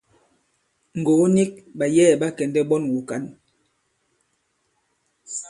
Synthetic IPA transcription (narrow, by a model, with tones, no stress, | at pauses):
ŋ˨ɡo˨˦ni˦k̚ɓa˨jɛː˦˨ɓa˦kɛ˨ndɛ˦ɓɔ˦nwu˨ka˨˦n